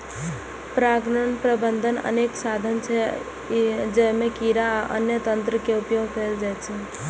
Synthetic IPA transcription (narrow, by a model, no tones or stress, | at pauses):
pɾaɡnənpɾəbənd̪ʱənə̰neksad̪ʱənt͡ʃʰɛ | d͡ʒəmekiɾaaʔə̰njət̪ənt̪ɾəkeupjoɡʱkəld͡ʒajt͡ʃʰɛ